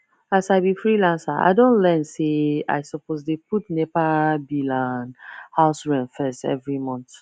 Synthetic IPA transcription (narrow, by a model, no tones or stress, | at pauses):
asaɪbifɹilãnsaʔa̰ɪdõntlɛ̃nsea̰ɪsɔposdeputnɛpabilãnhaʊsɹɛ̃nfɛstɛ̰vɹimɔ̃nt